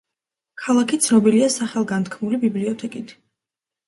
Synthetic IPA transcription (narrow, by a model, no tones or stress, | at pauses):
kʰalˠakʰit̪sʰnɔbiliasaχɛlˠɡant̪ʰkʰmulibibliɔt̪ʰɛkʼit̪ʰ